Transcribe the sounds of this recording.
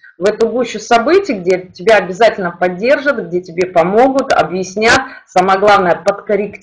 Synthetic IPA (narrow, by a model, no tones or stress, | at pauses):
vɛt̪ʊɡuɕːʊsɐbɨtʲɪjɡ̚dʲetʲɪbʲaɐbʲɪzatʲɪlʲnəpɐdʲːe̞rʐɨt̪ɡ̚dʲetʲɪbʲe̞pɐmo̞ɡʊt̪ɐ̰bjɪsʲnʲat̪saməəɡlˠavnəjəpət̪kəɾʲɪkʲ